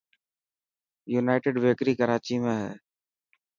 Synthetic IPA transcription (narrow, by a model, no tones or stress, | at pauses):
juːnaːɪʈeːɖʋeːkɾiːkəɾaːt͡ʃiːmẽːɦɛː